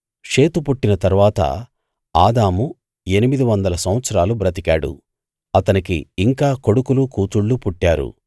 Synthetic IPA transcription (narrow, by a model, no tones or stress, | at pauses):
ʂe̞ːt̪upuʈːinɐt̪ɐɾuʋaːt̪ɐ̰ | aːd̪aːmu | e̞nimid̪iʋɐnd̪ɐlɐsɐmʋɐt̪sɐɾaːlubɾɐt̪ikaːɽṵ | ɐt̪ɐnikḭːŋkaːko̞ɽukulukuːt̪uɭːupuʈːaːɾṵ